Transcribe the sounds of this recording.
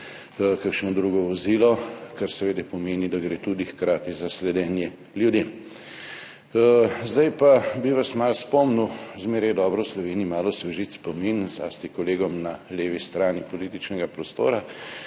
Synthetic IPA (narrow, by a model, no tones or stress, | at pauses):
kakʃnɔd̪ɾuɡɔʋɔziːlɔkaɾsɛʋeːd̪ɛpɔmeːnid̪aɡɾeːt̪uːd̪ixkɾaːt̪izaslɛd̪ɛːnjɛ | ljud̪em | zd̪ajpabiʋasmaːlspɔmnuzmeːɾajɛd̪ɔːbɾɔwslɔʋeːniːmaːlɔsʋɛʒit̪spɔminzla̰ːst̪ikɔleːɡɔmnaleːʋist̪ɾaːnipɔliːt̪it͡ʃnɛɡapɾɔst̪o̰ːɾa